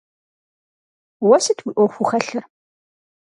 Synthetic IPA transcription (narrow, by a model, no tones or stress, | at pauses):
wæsæt̪ːwiʔʊfuxæɬəɾ